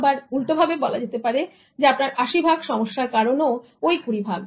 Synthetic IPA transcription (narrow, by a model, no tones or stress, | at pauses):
baɾult̪obʱabebɔlad͡ʑet̪epaɾe | d͡ʑeapnaɾaʃibʱaɡʃɔmoʃːaɾkaɾono | ojkuɾibʱaɡ